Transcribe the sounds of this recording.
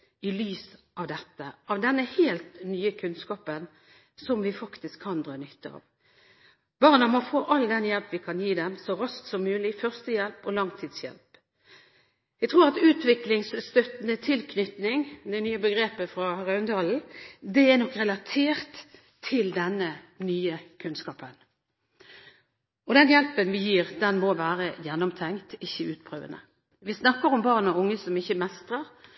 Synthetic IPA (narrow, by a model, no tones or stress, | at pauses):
ɪlyːsʔɑʋd̪ɛt̪ːəʔɑʋd̪ɛnːəheːlt̪nyːəkʰʉnskɑːpən | sɔmʋɪfɑkt̪ɪskʰːɑnd̪ʁɑːnʏt̪ːəɑ̰ːʋ | bɑːʁnɑmɔfoːʔɑld̪ɛnjɛlpʋɪkʰɑnjiːd̪ɛmsɔɾɑst̪sɔmːʉːlɪfœʁst̪əjɛlpɔlɑŋt̪ʰiːd̪sjɛ̰lp | jɛɡ̚t̪ʰɾuːʁɑt̪ʉːt̪ʋɪklɪŋsst̪œt̪nət̪ʰɪlkʰnʏt̪nɪŋd̪ɛnyːəbəɡɾeːpəfɾɑʁɑœʉnd̪ɑːln̩d̪ɛɛnɔkːɾɛlɑt̪ʰeːʁt̪ʰː | ɪld̪ɛnːənyːəkʰʉnskɑːpən | ɔd̪ɛnjɛlpənʋɪjiːʁd̪ɛnmɔʋæːʁəjɛnːɔmt̪ʰɛŋt̪ɪçːəʉːt̪pʰɾøːʋə̰nə̰ | ʋɪsnɑkːəɾɔmbɑːʁnɔʊŋːəsɔmɪçːəmɛst̪ʁəʁ